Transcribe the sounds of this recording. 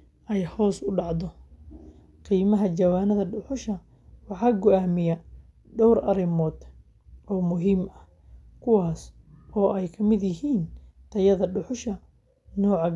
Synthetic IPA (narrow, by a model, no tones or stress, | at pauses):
ʔɛjhɔːsʊɖɑʕd̪ɔ | qiːmɐɦɐd͡ʒɐwaːnɐðɐɖʊħʊʃɐ | wɑħɑːɡɔʔaːmɪjɐ | ɖɔwɾɐ̰ɾɪmɔːd̪ | ʔɔːmʊɦiːmɐ | kʰʊwɑːs | ɔːʔɛjkʰɐmɪd̪jɪɦiːnt̪ʰɐjɐðɐɖʊħʊʃɐ | nɔːʕɑ